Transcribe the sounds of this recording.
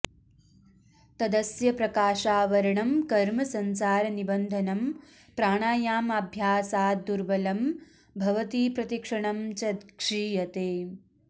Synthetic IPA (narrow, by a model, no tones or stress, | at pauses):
t̪ɐd̪ɐsjɐpɾɐkaːʃaːʋɐɾɐɳɐmkɐɾmɐsɐnsaːɾɐnibɐnd̪ʱɐnɐm | pɾaːɳaːjaːmɐbʱjaːsaːd̪uɾʋɐlɐm | bʱɐʋɐt̪iːpɾɐt̪ikʂɐɳɐmt͡ʃɐd̪kʂiːjɐt̪eː